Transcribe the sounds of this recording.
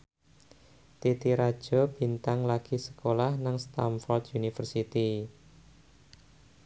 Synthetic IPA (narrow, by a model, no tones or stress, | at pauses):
t̪it̪iɾad̥ʒ̥ɔ̤b̥i̤nt̪aŋlaɡ̥i̤sə̥kolahnaŋst̪amfɔld̪junifərsit̪i